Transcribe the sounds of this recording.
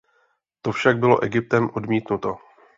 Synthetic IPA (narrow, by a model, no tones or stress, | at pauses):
t̪o̞fʃaɡ̚bɪlo̞̰ʔɛɡɪp̚t̪ɛmʔo̞dmiːt̪nut̪o̞